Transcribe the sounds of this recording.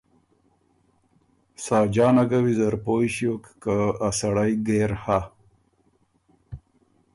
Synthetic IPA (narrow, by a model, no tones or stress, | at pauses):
sɑːd͡ʑɑːnaɡawizɐɾpoːjɕjokːaasaɽajɡeːɾha